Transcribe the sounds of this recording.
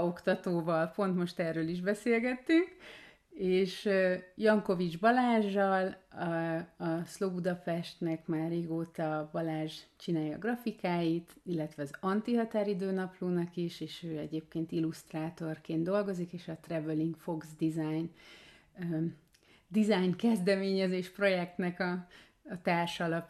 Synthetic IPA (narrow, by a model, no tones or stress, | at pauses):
o̞kt̪ɒt̪oːvɒlpo̞nt̪mo̞ʃt̪ɛrːøːliʒbɛseːlɡɛt̪ːyŋk | eːʃjɒŋko̞vid͡ʒbɒlaːʒːɒl | ɒslobud̪ɒpɛʃt̪nɛkmaːrːeːɡoːt̪ɒbɒlaːʒt͡ʃinaːjɒ̰ːɡrɒfikaːjit̪ilːɛt̪ʋɛɒzɒnt̪iɦɒt̪aːɾid̪øːnɒpluːnɒkiʃeːʃøːɛɟeːp̚keːnt̪ilust̪raːt̪o̞rkeːnd̪o̞lɡo̞zikeːʃɒt̪rɛvøliŋɡkfo̞ɡzd̪izajn | d̪izajnkɛzd̪ɛmeːɲɛzeːʃpro̞jɛk̚t̪nɛkɒː | t̪aːrʃlɒp